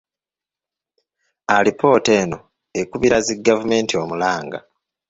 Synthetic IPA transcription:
alipʰo̞ːte̞ːno̞ | ekuβiɾaziɡːavume̞ːntio̞mulaːŋɡa̰

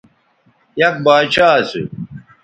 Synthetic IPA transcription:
jɐk̚baːt͡ɕʰaːsḭ

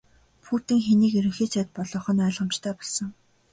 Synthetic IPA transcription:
pʰuːt̪ɘ̆ŋxeniːkeɾɵ̆ŋxeːt͡ɕʰæːt̪̚pɔɮɞ̆χɞ̆nœːɮʁə̆m̥t͡ɕt̪ʰæːpɔɮsə̆ŋ

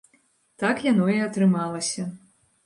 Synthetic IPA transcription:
t̪akjanɔiɐt̪ɾɨmalˠɐsʲɐ

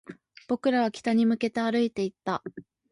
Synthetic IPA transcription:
b̥o̞kɯ̟ɾaβ̞akʲi̥t̪aɲ̟imɯ̟ke̞t̪e̞aɾɯ̟it̪e̞it̪ːa

